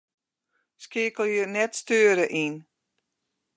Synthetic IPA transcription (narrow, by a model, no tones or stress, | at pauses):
skɪəkəl̩ˠjənɛtstøːəɾəʔin